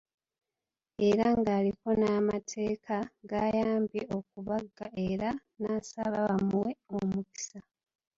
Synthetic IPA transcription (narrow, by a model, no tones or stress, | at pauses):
e̞ɾaŋɡaːliko̞naːmatʰe̞ːkaɡaːjaːmbjeo̞k̚uβaɡːae̞ɾa | naːsa̰βaβamuwe̞omuki̥sa